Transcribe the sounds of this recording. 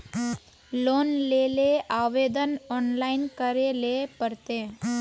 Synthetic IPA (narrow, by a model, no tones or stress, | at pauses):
loːnleːleaːʋeːd̪ənɔːnlaːɪnkəɾelepəɾt̪eː